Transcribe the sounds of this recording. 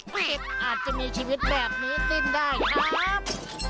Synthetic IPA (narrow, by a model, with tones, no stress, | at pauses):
e˦˥p̚ʔaː˨˩t̪̚t͡ɕa˨˩ʔmiː˧t͡ɕʰiː˧wi˦˥t̪̚bɛː˨˩p̚niː˦˥t̪i˥˩mdaː˥˩jkʰɾʰa˦˥˦p̚